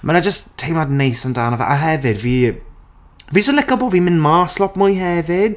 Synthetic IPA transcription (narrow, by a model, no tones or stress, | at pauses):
mʔənad͡ʒəstʰːejmadnejsəndaːnɔvɛ̰ʔaɦɛvɪdviː | vid͡ʒəsəlɪkəbɔːvimɪnmaːslɔpmʊjɦɛvɪd̥